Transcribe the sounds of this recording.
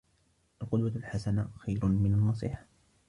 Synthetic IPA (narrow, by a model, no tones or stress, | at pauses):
ʔalqʊd̪walħasanaxajɾʊmɪnanːɑs̬ˤiːħḁ